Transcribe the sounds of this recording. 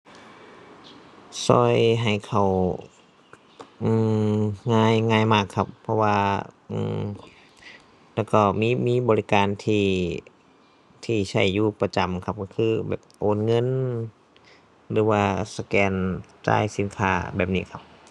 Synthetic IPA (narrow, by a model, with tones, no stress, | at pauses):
sɔ̰ː˧˩jɦa˨˩jkʰa˨˩w | ʔɯː˧˩ŋaː˧˥˨jŋaː˧˩jmaː˧˩kʰːa˧pʰːɔ˧waː˧ʔɯ̰ː˧˩ | lɛː˧˩wkɔː˧˩miː˧˥˨miː˧˥˨bɔː˧li˦˧kaː˨nt̪ʰiː˧˩ | t̪ʰiː˧˩sʰa˧˩jːuː˧˩pa˧t͡ɕa˨˩mkʰa˧p̚kɔː˧˩kʰɯː˧˩bɛ̰ː˨˩p̚ʔoː˧˨nŋɤ˧˥˨n | lɯː˨˧˦waː˧sa˧kɛː˧nt͡ɕa̰ː˧˩jsi˧˦nkʰa̰ː˧˩bɛː˨˩p̚niː˧˨kʰa˧˩p̚